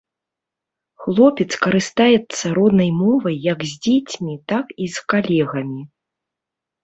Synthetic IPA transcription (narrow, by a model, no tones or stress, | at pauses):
xlˠɔpʲɛt̪skɐɾɨst̪ajɛt̪sːɐɾɔd̪nɐjmɔvɐjːɐkzʲd͡zʲet͡sʲmʲit̪akiskalʲɛɣɐmʲi